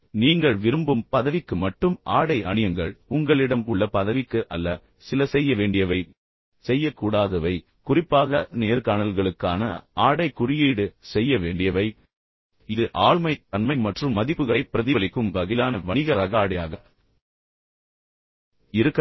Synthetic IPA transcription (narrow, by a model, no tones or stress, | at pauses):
niːŋɡɐɭʋɪɾɯmbɯmpɐðɐʋɪkːɯmɐʈːɯmʔaːɽɐɪɐɳɪjɐŋɡɐɭʊŋɡɐɭɪɽɐmkʊɭːɐpɐðɐʋɪkːɯʔɐlːɐ | sɪlɐsɛjːɐʋeːɳɖɪjɐʋɐɪ | sɛjːɐkːuːɽaːðɐʋɐɪ | kʊrɪpːaːɣɐneːɾkaːnɐlɣɐɭɯkːa̰ːnɐ̰aːɽɐɪkːʊɾɪjiːɽɯsɛjːɐʋeːɳɖɪjɐʋɐɪ | ɪðɯʔaːɭmɐɪt̪ɐnmɐɪmɐʈrɯmːɐðɪpːɯɣɐɭɐɪpːɪɾɐðɪɐɭɪkːɯmʋɐɣɪlaːnɐʋɐɳɪɣɐɾɐɣaːɽɐja̰ːɣɐ | ɪɾɯkː